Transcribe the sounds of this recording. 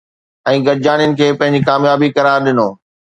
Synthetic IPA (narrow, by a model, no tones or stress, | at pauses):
ɛ̃ːɡɐɾɪd͡ʑaːnijʊnɪ̆kʰeːpɐ̃ɦɪ̃ɲd͡ʑikaːmjaːbikɐɾaːɾɗɪnoː